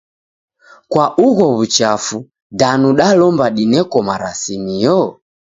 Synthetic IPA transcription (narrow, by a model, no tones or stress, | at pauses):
kwaʔuɣɔβut͡ʃafu | danuɗalɔmbaɗinɛkɔmaɾasimijɔ